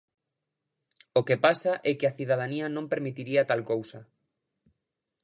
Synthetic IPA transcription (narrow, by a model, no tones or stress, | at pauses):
okepasaʔɛkɪaθiðað̞aniɐnõmpeɾmit̪iɾiat̪alkowsɐ